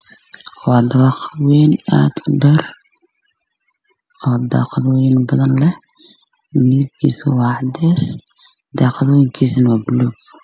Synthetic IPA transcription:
wɑːd̪ɐɑːqɑðwɛːna̰ːd̪ʊɖɐr | ɔːd̪ɑ̰ːqɑðɪnbɐðɐnlɛ | mɪɪb̚kʰḭːsɐwɑːʕɑd̪ɛːs | d̪ɑːqɑðwɛjŋkʰiːsɐnwaːbɪluːɡ

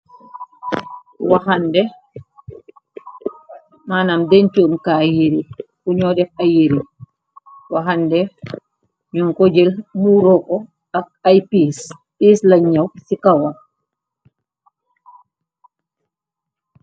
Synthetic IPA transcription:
wahandɛ | manamdɛnt͡ʃumkajiɾikuɲɔdɛfajiɾi | waɦandɛ | ɲuŋkod͡ʒɛlmuɾɔkɔ | akajpis | pislaɲːawsikawa

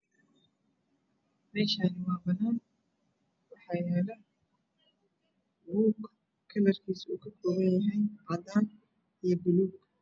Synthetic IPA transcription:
mɛːʃaːnɪwɑːbɐnaːn | wɑħɑːjɛːlɐ | buːɡ | kʰːɐlɐrkʰiːsuːkʰɐkʰɔːɣɐnjɐɦɛjʔɑd̪aːn | ijɞbʊluːɡ

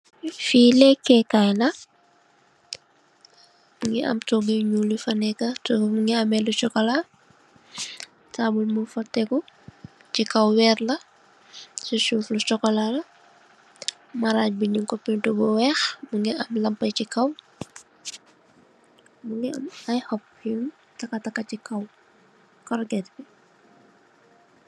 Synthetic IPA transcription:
fiːlɛkːɛkajlɐ | uŋɡɛ̰ʔɐ̰mtɔɡiɲuːlifɐnɛkɐtɔmuŋɡɛɐmɛlut͡ʃɔkɔla | taːbulmufɐtːɛku | t͡ʃikɐwwɛrlɐ | suʃuːflut͡ʃɔkɔlalɐ | mɐɾaːc̚biɲuŋkɔpːintubɔwɛːxmuŋɡɛʔɐmlɐmpːɐjcikɐw | muŋɡɛɐmɐjhɔp̚ | jun | tɐkːɐtɐkːɐcikɐw | kɔrɡɛtbi

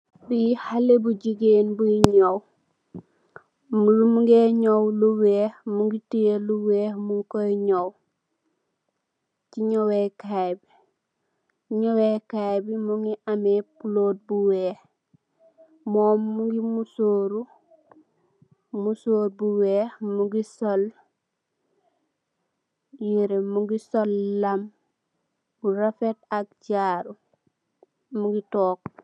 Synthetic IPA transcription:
bihalebuɟiɡenbuiɲow | mulumuŋɡeɲowluweːhmuŋɡitijeluweːmuŋkoiɲow | ciɲowekajbi | iɲowekajbimuŋiamepuloːd̚buweːh | moːmːuɡimusoːɾu | musoːɾbuwehmuɡisol | jiɾemuɡisolːam | buɾafetak̚ɟaːɾu | muŋɡitoːk̚

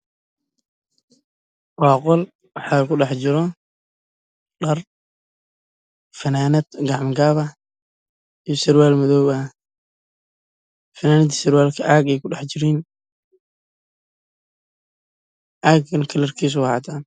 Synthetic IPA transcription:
wɑːqɔl | wɑħɑːlkʊɖɑħt͡ʃɪɾɔ | ɖɐr | fɐnaːnɐd̪̥ɡɑʕmɡaːβɐ | ijɔsɐrwaːlmɐðɔwɐ | fɐnaːnɐd̪sɪrwaːlkʰɐʔaːɡɛjkʰʊɖɑħt͡ʃɪɾiːn | ʕaːɡɐnkʰɐlɐrkʰiːs̬ʊwha̰ːt̪ʰaːn

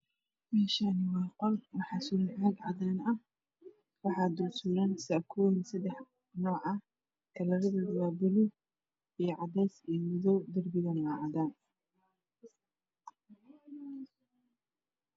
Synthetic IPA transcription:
mɛːʃaːnɪwɑːqɔlwɑħɑːsʊlnʕaːɡʕɑðaːnɐh | wɑħɑːd̪ʊrsuːɾansakʰɔːsɐd̪ɛħ | nɔːʕɑ | kʰɐlɐɾɐðɐdɐwaːbʊlʊ | ijɞʕɑdɛːsiːmɪðɔwd̪ɐrbɪðɐnwaʕɑðaːn

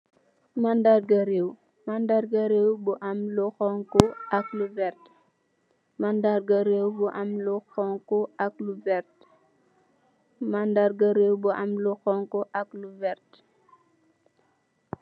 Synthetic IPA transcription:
mandarɡaɾew | mandaɾɡaɾewbuʔamluxɔŋkɔakluvɛɾt | mandaɾɡɐɾewbuʔamluxɔŋkɔak̚luvɛɾt | mandaɾɡɐɾewbuʔamluxɔŋkɔʔakluvɛɾt

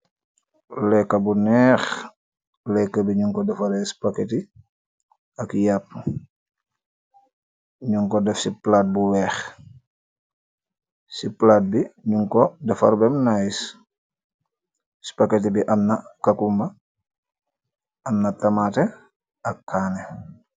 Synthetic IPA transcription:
lɛkːɐbunɛːx | lɛkːabiɲuŋkɔdɐfaɾɛspaketi | ɐkjapːu | ɲuŋkɔdɛfsiplaːt̚buwɛːx | siplat̚biɲuŋkɔdɐfaɾbɛmnajis | si̥paket̬ibiʔɐnnakakumbɐ | ɐnnɐtɐmate | ɐkːaːnɛ

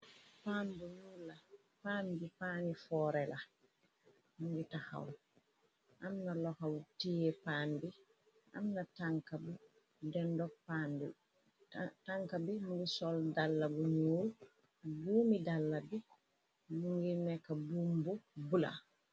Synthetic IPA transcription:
panbuɲulːa | panbipanifɔɾɛla | muŋɡitaha̰w | ʔamnalɔkawutijɛpanbi | ʔa̰mnataŋkabu | dɛndɔk̚panbi | taŋkabimuŋɡisɔldalːabuɲul | d͡ʒuːmidalːabi | muŋɡinɛkabumbubula̰

